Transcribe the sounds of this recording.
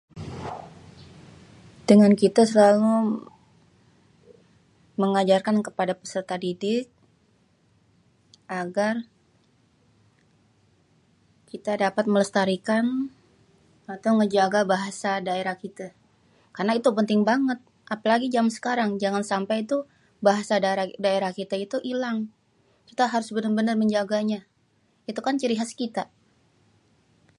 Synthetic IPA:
dəŋankit̪asəlalu | məŋad͡ʒarkankəpadapəsərt̪adidɪk̚ | ʔaɡar | kit̪adapat̪̚mələst̪aɾikan | at̪awŋəd͡ʒaɡabaɦasadaeɾahkit̪a | karnait̪upənt̪ɪŋbaŋət̪̚ | ʔapalaɡid͡ʒamsə̥kaɾaŋd͡ʒaŋansampajt̪u | baɦasadaɾadaeɾahkit̪ait̪uʔilaŋ | kit̪aɦaɾʊsbənərbənərməɲd͡ʒaɡaɲa | it̪ukant͡ʃəɾiɦaskit̪a

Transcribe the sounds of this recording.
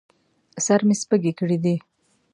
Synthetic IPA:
saɾmespəɡekəɽid̪i

